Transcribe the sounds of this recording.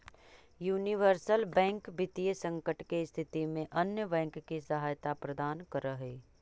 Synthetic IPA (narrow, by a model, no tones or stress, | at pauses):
juːniʋəɾsəlbɛ̃ːŋkbɪt̪ijəsə̃ŋkəʈkest̪ʰɪt̪imẽʔɐnjəbɛ̃ːŋkːisɐɦaːjt̪apɾɐd̪aːnkəɾəɦeː